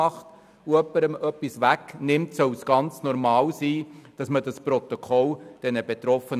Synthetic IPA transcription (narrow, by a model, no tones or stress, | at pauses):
ɑχt | uœpːəɾəmœpːisʋæknɪmtsœwsɡ̥ɑnt͡snɔɾmɑːlsiːd̥ɑsmədɑspɾɔt̪okʰɔld̥ɛnəb̥et̪ɾɔfən